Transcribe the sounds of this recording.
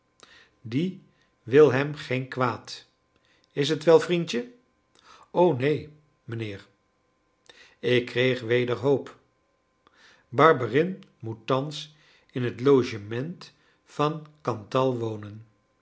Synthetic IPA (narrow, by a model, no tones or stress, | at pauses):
di | ʋɪlˠɦɛmχejnkʋaːt | ɪs̬ɦətʋɛlˠvrintə | ownej | mənɪːɹ | ɪkːrejχʋejdəɹɦowp | bɑɹbərɪnmutːɑns | ɪnɦətlowʒəmɛnt | fɑnkɑntɑlˠʋownən